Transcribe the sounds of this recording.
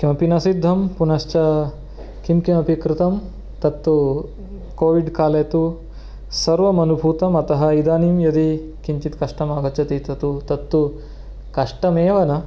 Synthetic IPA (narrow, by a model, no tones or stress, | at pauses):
kimɐpinɐsid̪ʱːɐmpunɐʃt͡ʃɐ | kimkimɐpikɾɪt̪ɐm | t̪ɐt̪ːu | koːʋiɖkaːlɐjt̪u | sɐɾʋɐmɐnubʱuːt̪ɐmɐt̪ɐɦɐ̆id̪aːnimjɐd̪i | kiɲt͡ʃit̪kɐʂʈɐmaːɡɐt͡ʃɐt̪it̪ɐt̪ut̪ɐt̪ːu | kɐʂʈɐmeːʋɐnɐ